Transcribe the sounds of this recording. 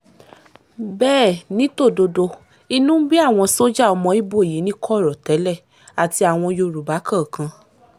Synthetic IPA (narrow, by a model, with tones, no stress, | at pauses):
bɛː˦˨nĩ˨˦to˦˨do˧do˧ | i˧nũ˦bi˦a˦˨w̃ɔ̃˧so˦d͡ʒa˦˨ɔ˧mɔ̃˧i˦bo˦˨i˨˦nĩ˦kʰɔ˦˨ɾɔ˨tɛ˨˦lɛ˦˨ | a˨ti˧a˨w̃ɔ̃˧jo˧ɾu˨ba˨˦kã˦˨kã˧